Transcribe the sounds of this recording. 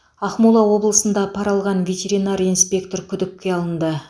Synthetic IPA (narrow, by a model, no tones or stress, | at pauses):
ɑχmulˠɑwo̞blˠəsənd̪ɑpʰɑɾɑlˠʁɑnvʲe̞t̪ʲe̞ɾinaɾinspʲe̞kt̪o̞ɾkʲʰʏd̪ɪp̚ʲkʲːe̞ɑlˠənd̪ə